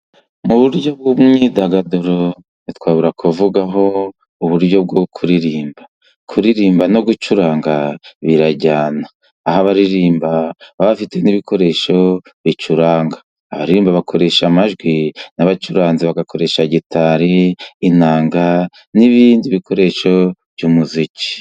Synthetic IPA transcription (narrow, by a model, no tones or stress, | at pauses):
muβuɾɟo̞b̚ɡumŋiːdaɡadoɾo | nitwaːβuɾakʰuvuɡaɦo̞ | uβuɾɟo̞b̚ɡokʰuɾiɾiːmba | kʰuɾiɾiːmbano̞ɡut͡ʃuɾaːŋɡaβiɾaɟaːnaː | ɦaβaɾiɾiːmbaβaβafite̞niβikʰo̞ɾe̞ʃo̞βit͡ʃuɾaːŋɡḁː | βaɾiɾiːmbaβakʰo̞ɾe̞ʃamaʒɡwinaβat͡ʃuɾaːnziβaɡako̞ɾe̞ʃaɟitʰaɾiːnaːŋɡa | niβiːndiβikʰo̞ɾe̞ʃo̞v̥juːmuzici̥